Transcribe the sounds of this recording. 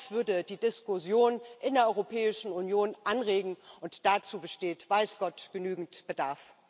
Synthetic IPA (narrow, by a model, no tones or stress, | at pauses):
sv̥ʏɐdəd̥iːdɪskʊzjoːnʔɪndeɐʔɔʏʁopʰɛːɪʃn̩unjoːnʔanʁeːɡŋ̩ʔʊntd̥at͡suːbəʃteːtv̥aɪsɡ̥ɔtɡ̥ənyːɡŋ̩tb̥ədaɐf